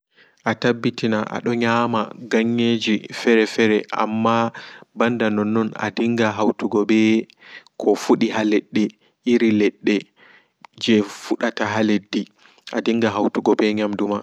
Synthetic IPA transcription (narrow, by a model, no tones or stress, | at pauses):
ʔatabːitinaʔa̰ɗɔɲamaɡaɲːed͡ʒifɛɾɛfɛɾɛʔa̰mːabandanɔnːɔna̰diŋɡaɦawtuɡɔbɛ | kʰɔfuɗiɦalɛɗːɛ | ʔiɾilɛɗːɛ | d͡ʒɛfuɗataɦaledːi | ʔadiŋɡaɦawtuɡɔbɛɲamduma